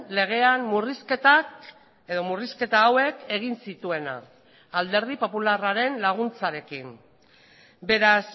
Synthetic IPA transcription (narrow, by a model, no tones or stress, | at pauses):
le̞ɣ̞e̞anmurisket̪a | eðo̞muriske̞t̪aːwe̞kʰe̞ɣ̞insit̪ue̞na̰ː | ld̪e̞ɾðipo̞pularaɾe̞nlaɣ̞unt͡saɾe̞kin | be̞ɾas